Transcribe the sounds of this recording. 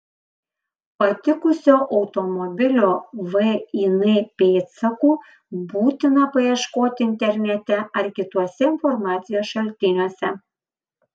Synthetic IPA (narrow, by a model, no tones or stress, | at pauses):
pɐt̪ʲɪkʊsʲoːʔɒʊt̪ɔmɔbʲɪlʲoːʋɛinɛpʲeːt̪sɐkuː | buːt̪ʲɪnɐpɐjiɛʃkoːt̪ʲɪɪnʲt̪ʲɛɾʲnʲɛt̪ʲɛɐɾkʲɪt̪uɔsʲɛɪnfɔɾmɑːt̪sʲɪjoːsʃɐlʲt̪ʲɪnʲoɔsʲɛ